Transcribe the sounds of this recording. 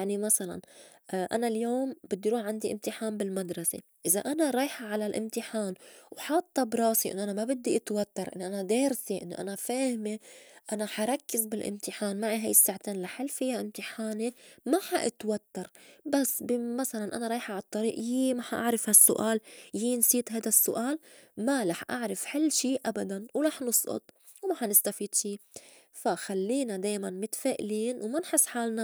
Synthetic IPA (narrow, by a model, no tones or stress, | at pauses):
jaʕnimasala̰nʔa̰naljoːmbɪd̪ːiɾuːħʕand̪iʔɪ̰mt̪ɪħaːmbɪlmad̪ɾˤɑsḛʔɪza̰ʔanaɾˤɑːjħaʕalalʔɪ̰mt̪ɪħaːnwħɑt̪ˤːɑbɾˤɑːsiʔɪ̰nːoʔanamabɪd̪ːiʔat̪wat̪ːɑɾˤʔɪ̰nːʔanad̪eːɾseʔɪnːo̰ʔa̰nafaːhmeʔanaħaɾˤɑkːɪzbɪlʔɪ̰mt̪ɪħaːnmaʕiɦajɪsːaʕt̪eːnlaħalfɪjːaʔɪmt̪ɪħaːnemaħaʔɪt̪wat̪ːɑɾˤbasːbɪmasalanʔa̰naɾˤɑːjħaʕɑt̪ˤːɑɾiːʔjimaħaʔa̰ʕɾɪfhasːʊʔaːljinsˤiːt̪ɦajd̪asːʊʔaːlmalaħʔa̰ʕɾɪfħɪlːʃiːʔabad̪anwlaħnɨsˤʔʊ̰t̪̚ˤ | wmaħanɪst̪afiːd̪ʃiː | faxalːiːnad̪aːjmanmɪt̪feːʔliːnwmanħɪsːħaːlna